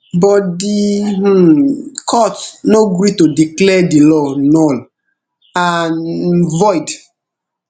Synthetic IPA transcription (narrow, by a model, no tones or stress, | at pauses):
bɔtdi | kʰɔtnoɡɾitodiklɛdilɔnɔl | anvɔjd